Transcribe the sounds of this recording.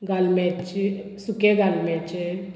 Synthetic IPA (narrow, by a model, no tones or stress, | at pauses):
ɡalmet͡ʃʰisukeɡalmet͡ʃʰi